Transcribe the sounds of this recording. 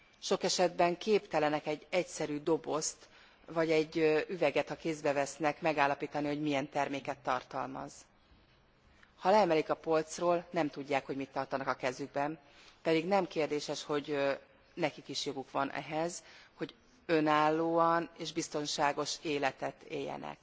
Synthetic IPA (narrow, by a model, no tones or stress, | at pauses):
ʃo̞kɛʃɛd̪bɛŋkeːpt̪ɛlɛnɛkɛɟːɛcsɛɾyːd̪o̞bo̞st̪ | vɒɟɛɟːyvɛɡɛt̪hɒkeːzd̪bɛvɛsnɛkmɛɡaːlːɒpiːt̪ɒniho̞ɟmiɛnt̪ɛrmeːkɛt̪ːɒ̰rt̪ɒ̰lmɒ̰z̥ | hɒlɛɛmɛlikɒpo̞lt̪sroːlnɛmt̪uɟːaːkhoɟmit̪ːɒrt̪ɒnɒkɒkɛzyɡ̚bɛm | pɛd̪iɡnɛmkeːrd̪eːʃɛʃho̞ɟ | nɛkikiʃjo̞ɡukʋɒnʔɛ̰ɦɛzho̞ɟ | ø̞naːlːoːɒneːʒbist̪o̞nʃaːɡo̞ʃeːlɛt̪ɛt̪ḛːjːɛ̰nɛ̰k